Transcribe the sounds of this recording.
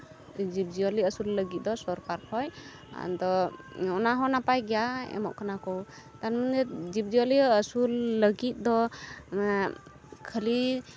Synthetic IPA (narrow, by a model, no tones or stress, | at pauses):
d͡ʒib̚d͡ʒiɔliəsulːəɡit̪̚d̪ɔsɔɾkaɾpʰɔj | a̰nd̪ɔɔnaɦɔnapajɡɛjaɛ̰mɔ̰ʔkʰanakɔw | t̪anməndɛd͡ʒib̚d͡ʒiɔliəsulːəɡit̪̚ˀd̪ɔ | kʰəli